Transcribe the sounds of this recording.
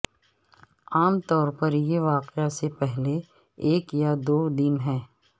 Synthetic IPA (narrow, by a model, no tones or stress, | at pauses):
aːmt̪ɔːɾpɐɾjeʋaːqeasepɛɦle | eːkjad̪oːd̪ɪnɦɛ̃ː